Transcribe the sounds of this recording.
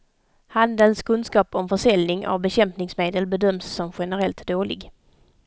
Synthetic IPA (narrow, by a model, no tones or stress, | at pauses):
hand̪ənskʰɵnskɑːpɔmfœʂɛlnɪŋʔa̰vbɛɕɛmpnɪŋsmeːd̪əlbɛd̪œmsːɔmɧɛnəɾɛlt̪d̪oːlɪ̰ɡ